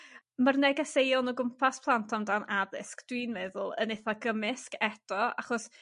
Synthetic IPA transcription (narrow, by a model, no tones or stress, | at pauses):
mərnɛɡasejɔnɔɡʊmpʰaspʰlˠantʰɔmdanaðɪ̰skd̥wiːnmɛðʊlˠə̰neθaɡəmɪskʰɛtʰɔa̰χɔs